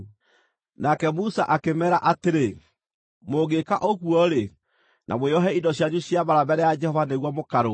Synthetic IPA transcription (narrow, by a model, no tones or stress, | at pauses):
nakɛmusaʔakemɛɾaʔateɾe | moɣekaʔoɣwɔɾe | nʔa̰mweɔɦɛindɔɕjaɲuɕjaβaɾabɛɾɛjad͡ʒɛhɔvaneɣwɔmokaɾo